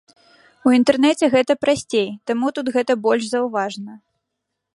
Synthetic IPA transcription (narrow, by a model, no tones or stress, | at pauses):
uint̪ɛrnɛt͡sʲɛɣɛt̪ɐpɾasʲt͡sʲejt̪amut̪ut̪ɣɛt̪ɐbɔlʲʂzɐwvaʐnɐ